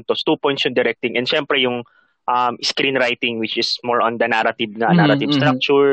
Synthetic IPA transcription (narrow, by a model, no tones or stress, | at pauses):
t̪ost̪upɔjnt̪sjʊŋd̪ɛɾɛk̚t̪ɪ̃ŋʔɛnd̪ʃɛmpɾɛjʊŋ | ʔɐmɪskɾĩnɾajt̪ɪ̃ŋwɪt͡ʃɪsmoɹɔ̃nd̪ɐnaɾɐt̪ɪbŋanaɾɐt̪ɪvst̪ɾak̚t͡ʃʊɹ